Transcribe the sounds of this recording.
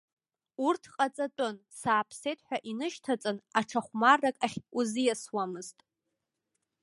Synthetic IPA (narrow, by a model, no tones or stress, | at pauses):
urtʰqʼat͡sʼatʼʊnsaːpʰsejtʰʼħʷᶣaʔinɨʃtʰat͡sʼɨnaʈ͡ʂʰaχʷmarːakʼaχʲuzijaswamɨztʼ